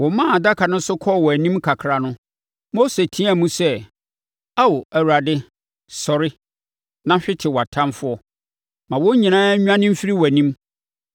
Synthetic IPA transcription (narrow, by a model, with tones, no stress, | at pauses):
wɔ˨mã˦˨a˨da˦kʰa˨nʊ̃˦n̩˦sʊ˦kʰɔ˦˨wɔ˨æ˨nĩ˦mkʰa˨kʰɾa˨nʊ̃˦ | mo˦se˨tʰi˦a˨mũ˦sɛ˦ | a˦wɔ˨æ˨wu˨ɾa˨dɪ˦ | sɔ˨ɾɪ˦ | nã˦ɕᶣɪ˦tʰɪ˨wɔ˨a˨tʰã˦mfʊ˦ɔ˦ | mã˨wɔ̃˦ɲĩ˨nãː˦ɲᶣu˦ã˦nɪ̃˦m̩˦fi˦ɾi˦wɔ˨æ˨nĩ˦m